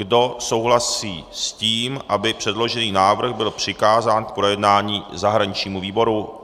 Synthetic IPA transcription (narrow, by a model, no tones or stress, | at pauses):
ɡdo̞so̞wɦlasiːsciːmʔabɪpr̝̥ɛdlo̞ʒɛniːnaːvr̩ɣbɪlpr̝̥ɪkaːzaːnk̚pɾo̞jɛdnaːɲiːzaɦɾaɲɪt͡ʃɲiːmuviːbo̞ɾu